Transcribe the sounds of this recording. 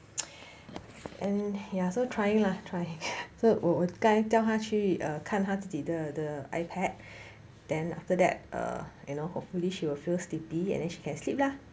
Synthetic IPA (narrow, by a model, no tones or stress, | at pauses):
ʔɛ̃njasotʰɹajɪ̃ŋlatʰɹajɪ̃ŋsowɔwəkãtɛlɦaʃiʌkʰãnɦatudit̚dədəa̰ɪpʰɛt̚ | d̥ɛ̃na̰ftədɛ̰t̚ʔʌ̰junohopfuliʃiwilfilslipiɛ̰̃ndɛ̃nʃi̥kɛ̃nslip̚la